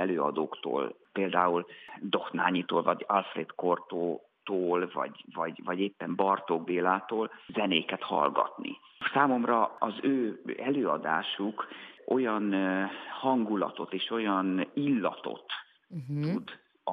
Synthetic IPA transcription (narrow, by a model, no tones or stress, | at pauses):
ɛløːɒ̰d̪oːkt̪o̰ːlpeːld̪aːuld̪o̞xnaːɲit̪o̰ːlvɒɟɒlfreːt̪kort̪oː | t̪oːlvɒ̰ɟvɒɟvɒɟeːpːɛmbɒrt̪oɡbeːlaːt̪oːlzɛneːkɛt̪hɒ̰lɡɒ̰t̪nḭ | saːmo̞mrɒɒzøːɛløːɒd̪a̰ːʃukʔo̞jɒnhɒŋɡulɒ̰t̪o̞t̪eːʃo̞jɒnilːɒt̪o̞̰t̪ː | ud̪